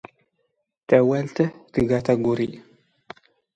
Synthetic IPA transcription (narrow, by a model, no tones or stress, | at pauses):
tɐwɐltɐtɨɡataɡuɾḭ